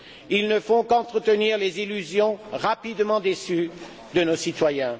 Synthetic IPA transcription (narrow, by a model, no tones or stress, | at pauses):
ilnəfɔ̃kɑ̃t̪χət̪əniʁlezilyzjɔ̃ʁapid̪mɑ̃d̪esy | d̪ənosit̪wajɛ̃